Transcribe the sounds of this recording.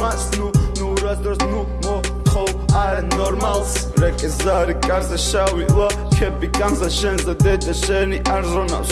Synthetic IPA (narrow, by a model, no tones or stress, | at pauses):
asnunuɾad̪ɔɾsnu | mɔ | t̪ʰɔwaɾɛnɔɾmalˠs | ɾɛkʼɛzaɾikʼaɾzɛʃawiʔlˠɔ | kʰɛbikʼamzaʃɛnzad̪ɛd̪aʃɛniʔaɾzɔna̰s